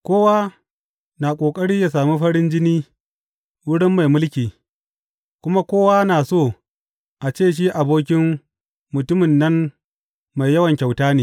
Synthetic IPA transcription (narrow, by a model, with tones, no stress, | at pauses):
kʷoː˦wa˦ | na˨kʷʼoː˨kʼɐ˦ɽiː˦ja˨s̬aː˨mu˦ɸɐ˦ɽɪ˦nd͡ʒɪ˦niː˦ | wʊ˦ɽɪ˦mːa˨jmʊ˦lkʲiː˨ | kʷʊ˦ma˦kʷoː˦waː˦na˨soː˦˨ | ʔa˨t͡ʃeː˦˨ʃ̬i˦ʔa˨boː˦kʲɪ˦mː | ʊ˨tʊ˦mɪ˨nːɐ˦m | ma˨jjɐ˦wɐ˨ŋkʲa˨wtaː˦neː˨